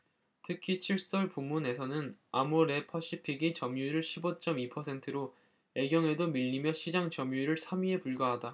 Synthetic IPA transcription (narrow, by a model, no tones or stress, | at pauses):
tʰɯkʰit͡ɕʰiɭs͈ʌɭpumːune̞sʰʌnɯnamoɾe̞pʰʌɕ͈ʰipʰiɡit͡ɕʌmjuiɾɯɭɕʰibot͡ɕ͈ʌmipʰʌsʰe̞ntʰɯɾo | e̞ɡjʌŋe̞domiʎːimjʌɕʰid͡ʑaŋt͡ɕʌmjuiɾɯɭsʰamɥie̞puɭɡaɦada